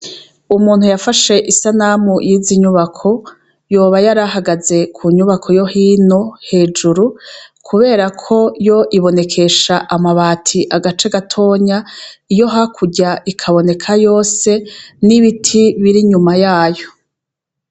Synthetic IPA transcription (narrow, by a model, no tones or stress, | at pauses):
umuːn̥hujafaʃe̞ʔisanamujiziɲuβakʰo̞ | jo̞ːβajaɾahaɡaze̞kʰuɲuβakʰojo̞hiːno̞he̞ːd͡ʒuɾukʰuβe̞ːɾakʰo̞jo̞ʔiβo̞ne̞kʰe̞ʃaʔamaβaːtʰiʔaɡat͡ʃe̞ɡatʰo̞ːɲaijo̞ɦakʰuɟaʔikʰaβo̞ne̞kʰajo̞ːse̞niβitʰiβiɾiɲumajaːjo̞